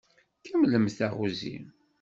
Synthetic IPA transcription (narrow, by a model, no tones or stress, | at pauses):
kæmləmθæʁuzḭm